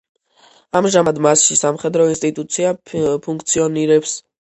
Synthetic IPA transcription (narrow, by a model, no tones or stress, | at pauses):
amʒamad̪masʃisamχɛd̪ɾɔinst̪ʼit̪ʼut̪sʰiapʰuŋk̚ʰt̪sʰiɔniɾɛps